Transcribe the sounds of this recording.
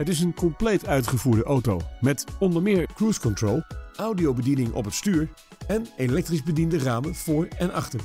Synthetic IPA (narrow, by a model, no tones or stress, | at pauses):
ɦətɪs̬ənkɔmplejtœɥtχəvuːɹdəʔowtowmɛtɔndəɹmɪːɹkruskɔntroːlˠʔʌwdiowbədinɪŋʔɔ̰pətstyːɹ | ɛnelɛk̚trizbədindəraːmənv̥ʊːɹɛnɑ̰χtəɹ